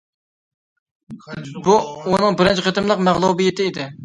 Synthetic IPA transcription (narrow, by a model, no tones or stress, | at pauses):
buunɨŋbɪɾɪnt͡ʃʰɪqʰət̪ɨmlˠəqmæʁlˠubijɪt̪ʰɪːd̪ɪ